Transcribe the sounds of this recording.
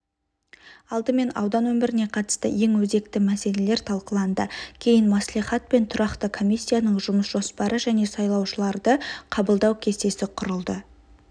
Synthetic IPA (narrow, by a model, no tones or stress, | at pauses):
ɑlˠd̪əme̞nɑ̰wd̪ɑnwɵmɪɾɪne̞qʰɑt̪ə̥st̪ə̰je̞ŋwɵze̞k̚t̪ɪmæse̞le̞le̞ɾt̪ʰɑlˠqəlˠɑnd̪əkʲʰe̞jɪnmɑslˠijχɑt̪̚pe̞nt̪ʰʊɾɑqt̪əkʰo̞mʲijsʲːijanəɴʒʊməsʒ̥o̞spɑɾəʒæne̞sɑjlˠɑwʃəlˠɑɾd̪əqʰɑbəlˠd̪ɑwkʲʰe̞st̪e̞sɪqʰʊɾəlˠd̪ə